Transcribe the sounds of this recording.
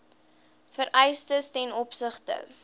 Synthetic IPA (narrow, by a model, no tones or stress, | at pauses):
fəɾɛjstəstɛnɔpsəχtə̰